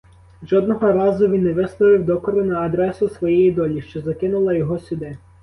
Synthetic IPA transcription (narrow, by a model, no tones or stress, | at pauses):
ʒɔd̪nɔɦɔɾɑzʊʋʲinːɛʋɪslˠɔʋɪwd̪ɔkɔɾʊnɐːd̪ɾɛsʊsʋɔjɛjid̪ɔlʲiʃt͡ʃɔzɐkɪnʊlˠɐjɔɦɔsʲʊd̪ɪ